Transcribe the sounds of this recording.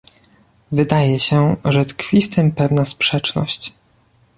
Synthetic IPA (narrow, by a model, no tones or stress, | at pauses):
vɘd̪ajɛɕɛʐɛt̪kfʲift̪ɘmpɛvnaspʂɛt͡ʂnɔ̰ɕt͡ɕ